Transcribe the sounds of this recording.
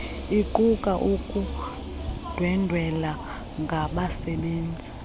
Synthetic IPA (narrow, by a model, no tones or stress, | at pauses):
iǃukʼaʔukʼu | d̥ʱwɛndʱwɛla | ŋɡʱaɓasɛɓeːnd͡zʱi